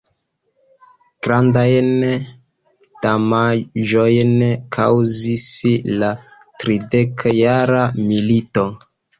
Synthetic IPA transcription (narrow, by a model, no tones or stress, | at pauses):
ɡ̥ɾandajn | damaʒojnkʰa̰wzisla | tɾidekʰjaɾamilito̞